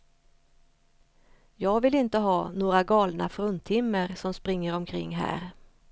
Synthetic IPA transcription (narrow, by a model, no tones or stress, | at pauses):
jɑːɡvɪlɪnt̪əɦɑːnoːɾaɡɑːlna̰fɾɵnt̪ʰːɪmːəɾsɔmspɾɪŋːəɾɔmkʰɾɪ̰ŋːɦæ̰ːɾ